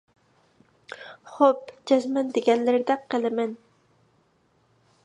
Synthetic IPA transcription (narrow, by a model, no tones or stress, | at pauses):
χopd͡ʒɑzmɛnd̪eɡʲɛnlɪɾɪd̪ɛqʰəlˠɨmɛn